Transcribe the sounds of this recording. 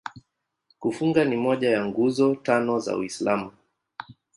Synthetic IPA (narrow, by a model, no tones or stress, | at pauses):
kufuŋɡanimɔʄajaŋɡuzɔtanɔza̰ṵislamu